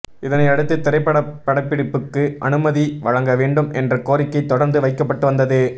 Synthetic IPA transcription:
ɪðɐnɐɪɐɽɯt̪ːɯt̪ːɪɾɐɪpːɐɽɐpːɐɽɐpːɪɽɪpːɯkːɯʔɐnɯmɐðiʋɐɻɐŋɡɐʋeːɳɖɯmɛndrɐkoːɾɪkːɐɪt̪ːɔɽɐɾnd̪ɯʋɐɪkːɐpːɐʈːɯʋɐnd̪ɐðɯ

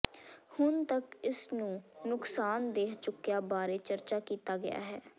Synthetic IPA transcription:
hʊnt̪əkɪsnũːnʊksaːnd̪eːkt͡ʃʊkːjaːbaːɾeːt͡ʃəɾt͡ʃaːkiːt̪aːɡɪja̰ːɦɛː

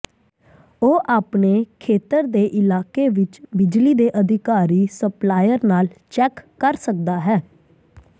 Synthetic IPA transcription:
oːʔaːpneːkʰeːt̪əɾd̪eːʔɪlaːkeːʋɪt͡ʃbɪd͡ʒliːd̪eːʔəd̪ʱɪkaːɾiːsəplaːjəɾnaːlt͡ʃɛːkːəɾsək̚d̪aːɦɛː

